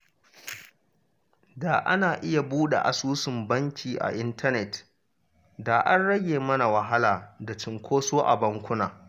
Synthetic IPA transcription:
daː˨ʔa̰˦naː˨ʔɪ˦ja˨buː˦ɗḛ˨ʔa̰˨suː˦sɪ˨mbɐ˦ŋkʲiː˨ʔa̰˨ʔɪ˦ntɐ˦nɛ˨t | daː˨ʔa˦nɽɐ˦ɡʲeː˨mɐ˦na˨wɐ˨ɦa˦laː˨da˨t͡ʃɪ˨ŋkʷʰoː˦soː˦ʔa̰˨bɐ˦ŋkʷʊ˦naː˨

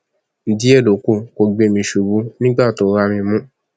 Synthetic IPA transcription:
n̩˨di˦ɛ˦˨lo˨˦ko˧˨ko˧ɡ͡be˧˨mĩ˧ʃu˨bu˧˦nĩ˦ɡ͡ba˦˨to˨˦ɾa˧mĩ˧mũ˦

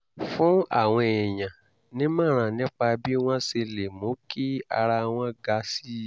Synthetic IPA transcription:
fũ˦a̰˦˨w̃ɔ̃˧ɛ˨j̃ã˨ | nĩ˦mã˦˨ɾ̃ã˨nĩ˦k͡pa˧bi˦w̃ɔ̃˦se˧le˨mõ˨˦ki˦a̰˧ɾa˧w̃ɔ̃˧˦ɡa˧si˦

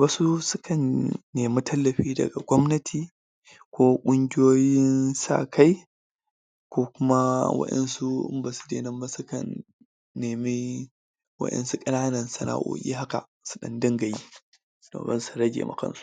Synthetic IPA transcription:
ba˦su˦sʊ˦kʰɐ˨nːeː˨mi˦tʰɐ˦lːɐ˨ɸiː˦dɐ̰˨ɡa˨ɡʷɔ˦mnɐ˦tʰiː˨ | kʷoː˦kʷʼʊ˦ŋɡʲɪ˦joː˦jɪ˦nsa̰˦˨kʰa˦j | kʷoː˦kʷʊ˦ma˦wɐ̰˦ɗɐ̰˦nsu˦ɪ̰˦mbaː˨su̥˨dḛ˦nɐ˦mba˦su˦kɐ̰˨nː | eː˨mi˦ | wɐ̰˦ɗɛ̰˦nsu˦kʼɐ˦naː˦nɐ˨nsɐ˨na̰˨ʔo̰˨kʲʼḭː˦ɦa˦ka̰˨ | su̥˦ɗɐ˦ndɐ˦ŋɡɐ˨ji˦ | no̰˨bɐ̰˦nsu˨ɾɐ˦ɡʲḛ˨ma̰˨kɐ̰˦nsu̥˦

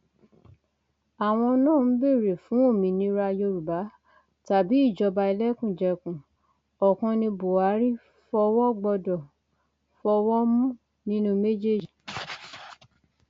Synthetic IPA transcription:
a˨w̃ɔ̃˧nãː˦˨n̩˦be˦˨ɾe˨fũ˨˦o˦˨mĩ˨˧˦nĩ˧˦ɾa˧jo˧ɾu˨ba˨˦ | ta˨bi˨˦i˦˨d͡ʒɔ˨˧ba˧i˧lɛ˦kũ˦˨d͡ʒɛ˧kũ˨ | ɔ˨kɔ̃˧nĩ˧bo˨a˨˦ɾi˦ | fɔ˧wɔ˦ɡ͡bɔ˧dɔ˨ | fɔ˧wɔ˦mũ˦ | nĩ˦nũ˦˧me˦d͡ʒe˦˨d͡ʒi˨

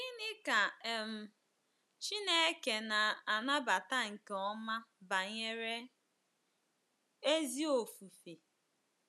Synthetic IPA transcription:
ɡi˦nɪ˦ka˨e˨m̩˨ | t͡ʃi˦ne˦e˦ke˨na˨a˨na˦ba˨ta˦ŋ̩˨ke˨ɔ˦ma˦ba˨ɲe˦ɾe˦ | e˦zi˦o˨fu˨fi˨

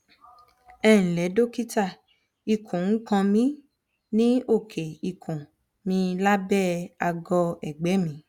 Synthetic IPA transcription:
ɛ˦˨ñ̩˨lɛ˨˦do˦ki˦ta˦˨ | i˧˨kʰũ˨ŋ̩˦kã˧mĩ˦ | nĩ˦o˦˨kʰe˨i˧˨kʰõ˨ | mĩ˧˦la˦bɛ˦˨a˧ɡɔ˧ɛ˨ɡ͡bɛ˨˦mĩ˨˦

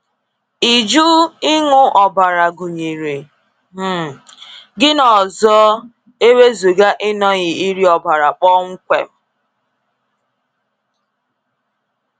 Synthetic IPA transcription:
i˨d͡ʒu˦ɪ˦ŋʊ˦ʔɔ˨ba˨ɾa˨ɡu˨ɲi˨ɾi˨ | m̩˦˨ | ɡɪ˦nɔ˨zɔ˦ | e˦we˦zu˨ɡa˦ʔɪ˦nɔ˦ɣɪ˨i˦ɾi˦ɔ˨ba˨ɾa˨k͡pɔ˦ŋ̩˦kʷḛ˨m̩˦

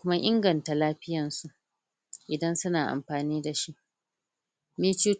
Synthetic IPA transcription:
ʊ˦ma˦ʔɪ˦ŋɡɐ˨nta˨laː˦ɸɪ˦jɐ˨nsu˨ʔ | ʔɪ˨dɐ˦nsʊ˦naː˨ʔa̰˨mɸaː˨niː˦da˨ʃi˦ʔ | meː˦t͡ʃu˦

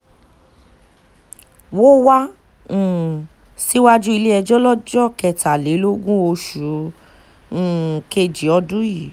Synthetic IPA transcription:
wo˦wã˦˨ | si˦wa˦d͡ʒu˦i˧le˦ɛ˧d͡ʒɔ˦lɔ˦d͡ʒɔ˦˨kɛ˨ta˨le˨˦lo˦ɡũ˦o˧ʃu˨˦˨ | ke˧˨d͡ʒi˨˦ɔ˧dũ˦ji˦˨

